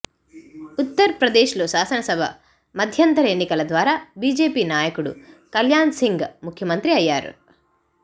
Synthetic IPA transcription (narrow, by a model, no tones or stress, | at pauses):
ut̪ːɐɾɐpɾɐd̪eːʃlo̞ːʃaːsɐnɐsɐbʱɐ̰ | mɐd̪ʱjɐnt̪ɐɾɐeːnːikɐlɐd̪ʋaːɾaːbiːd͡ʒe̞ːpiːnaːjɐkuɽṵkɐljaːnsiŋɡmukʰjɐmɐnt̪ɾiɐjːaːɾṵ